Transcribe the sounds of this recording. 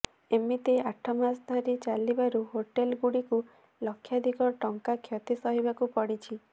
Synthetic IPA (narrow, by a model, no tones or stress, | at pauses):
emit̪eaʈʰɔmasd̪ʱaɾit͡ʃalibaɾuɦoʈelɡuɽiku | lɔkʰːjad̪ʱikɔʈɔŋkakʰjɔt̪isɔɦibakupɔɽit͡ʃʰi